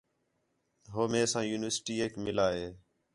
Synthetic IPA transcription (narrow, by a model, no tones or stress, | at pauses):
ɦoːmẽːsãːjuːnɪʋəɾsʈiːeːkmɪlaːɦeː